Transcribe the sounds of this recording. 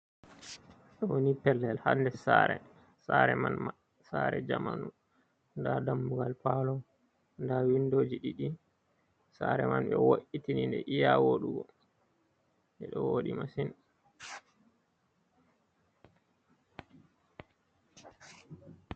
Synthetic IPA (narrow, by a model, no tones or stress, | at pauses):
ɗɔwonipɛlːɛlhandɛsaɾɛ | saɾɛmanma | saɾɛd͡ʒamanu | ndadamːuɡalpalɔ | ndawindoːd͡ʒiɗiɗi | saɾɛmanɓɛwoʔitinindɛʔijawoɗuɡɔ | ɛɗɔwoɗimasin